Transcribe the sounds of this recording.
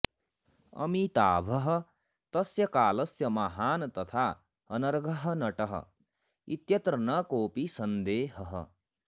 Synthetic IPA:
ʌ̰mit̪aːbʱʌɦʌ | t̪ʌsjɐkaːlɐsjɐmaɦaːnt̪ʌt̪ʰa | ʌnʌɾɡʱʌɦʌnʌʈʌɦʌ̰ | it̪jʌt̪ɾɐnʌkoːpisɐnd̪eːɦʌɦʌ̰

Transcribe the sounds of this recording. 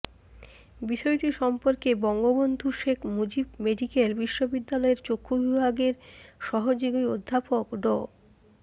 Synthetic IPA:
biʃɔeʈiɾʃɔmpoɾkebɔŋɡobond̪ʱuʃekʰmud͡ʑibmeɖikelbiʃːobid̪ːalɔeɾt͡ɕokʰːobibʱaɡeɾʃɔɦod͡ʑoɡiod̪ʱːapokɖɔ

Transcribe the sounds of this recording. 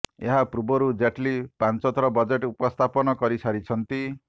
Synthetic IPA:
ḛɦapɾubɔɾud͡ʒeʈlipant͡sɔt̪ɾɔbʌd͡zeʈupɔst̪ʰapɔnɔkɔɾisʰaɾit͡sʰʌnt̪i

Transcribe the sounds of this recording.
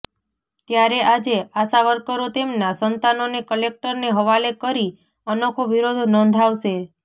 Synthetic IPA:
t̪jaɾeʔad͡ʒeasaʋəɾkəɾot̪emnasənt̪anonekəlek̚ʈəɾneɦəʋalekəɾi | ənokʰoʋiɾod̪ʱnɔ̃nd̪ʱaʋʃe

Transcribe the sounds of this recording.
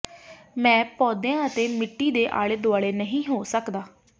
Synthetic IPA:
mɛ̃ːpɔːd̪ejãːət̪eːmɪʈːiːd̪eːʔa̰ːɭeːd̪oaːɭeːnəɦĩːɦoːsəkd̪aː

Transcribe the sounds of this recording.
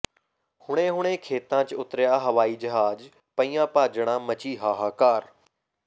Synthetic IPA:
hʊɽ̃ẽːɦʊɽ̃ẽːkʰeːt̪ãːt͡ʃʊt̪ɾjaːɦəʋaːiːd͡ʒəɦaːd͡ʒ | pəĩːãːpaːd͡ʒɽ̃ãːmət͡ʃiːɦaːɦaːkaːɾ

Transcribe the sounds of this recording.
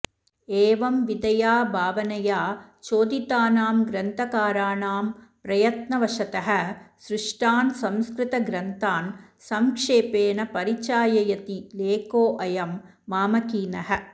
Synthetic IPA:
eːʋɐmʋid̪ɐjaːbʱaːʋɐnɐjaːt͡ʃoːd̪it̪aːnaːmɡɾɐnt̪ʰɐkaːɾaːnaːmpɾɐjɐt̪nɐʋɐʂɐt̪ɐɦɐ̆sɾɪʂʈaːnsɐmskɾɪt̪ɐɡɾɐnt̪aːnsɐmkʂeːpeːnɐpɐɾit͡ʃaːjɐjɐt̪ileːkoːʔɐjɐmː | aːmɐkiːnɐɦɐ̆

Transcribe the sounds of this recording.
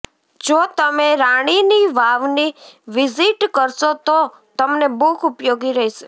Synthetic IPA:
d͡ʒot̪əmeɾaɽ̃iniʋaʋniʋɪziʈkəɾʃot̪o | t̪əmnebukʰupjoɡiɾəɦiʃe

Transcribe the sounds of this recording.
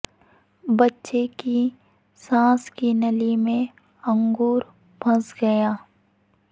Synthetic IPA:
bɐtːʃeki | sãːskinɐlimẽ | ɐ̃ŋɡuːɾ | b̥ʱɐsɡɐjaː

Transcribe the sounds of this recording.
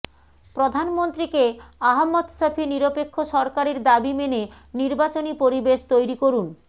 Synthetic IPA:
pɾod̪ʱanmont̪ɾikeaɦamːod̪ʃapʰiniɾopekʰːoʃɔɾkaɾeɾd̪abimene | niɾbat͡ɕonipoɾibeʃt̪ojɾikoɾun

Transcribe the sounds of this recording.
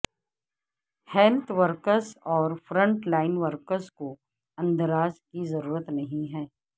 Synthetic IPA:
hɛlt̪ʰʋəɾkəɾzɔːɾfɾə̃ɳʈlaːɪnʋəɾkəɾzko | ɐ̃nd̪əɾaːzkizɐɾuːɾət̪nɐɦĩɦɛː

